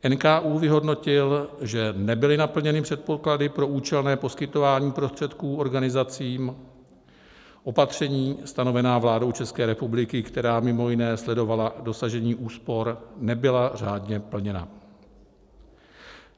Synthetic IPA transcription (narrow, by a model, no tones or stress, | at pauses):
ʔɛnkaːʔuːvɪɦo̞dno̞cɪlʒɛnɛbɪlɪnapl̩ɲɛnɪpr̥ɛt̪̚po̞kladɪpɾo̞ʔuːt͡ʃɛlnɛːpo̞skɪt̪o̞vaːɲiːpɾost̪r̝̥ɛt̪kuːo̞ɾɡanɪzat͡siːm | ʔo̞pat̪r̝̥ɛɲiːst̪ano̞vɛnaːvlaːdo̞wt͡ʃɛskɛːɾɛpublɪkɪkt̪ɛɾaːmɪmo̞jɪnɛːslɛdo̞valado̞saʒɛɲiːʔuːspo̞ɾnɛbɪlar̝aːdɲɛpl̩ɲɛna̰